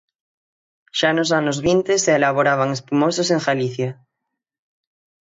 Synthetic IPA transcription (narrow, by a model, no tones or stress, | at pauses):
ʃanosanozβint̪eseːlaβ̞oɾaβ̞aŋespumososeŋxaliθja